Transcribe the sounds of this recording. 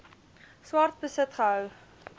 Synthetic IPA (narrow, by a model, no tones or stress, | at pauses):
swɐrt̚bəsətχəɦœw